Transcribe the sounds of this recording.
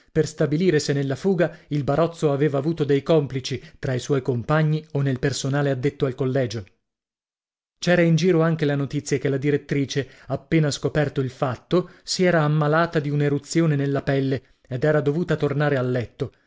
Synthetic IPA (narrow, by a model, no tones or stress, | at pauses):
perst̪abiliːɾesenːelːafuːɡailbaɾɔt̪sːoaveːvaːvuːt̪od̪ejkɔmplit͡ʃit̪ɾaiswɔjkompaɲːionːelpersonaːlead̪ːet̪ːoalkolːɛːd͡ʒo | t͡ʃɛːɾaind͡ʒiːɾoaŋk̟elanot̪it̪sːjakelad̪iɾet̪ːɾiːt͡ʃe | apːeːnaskopɛrt̪oilfat̪ːosiɛːɾaːmːalaːt̪ad̪iuneɾut̪sːjoːnenelːapɛlːe | ed̪ɛːɾad̪ovuːt̪at̪ornaːɾealːɛt̪ːo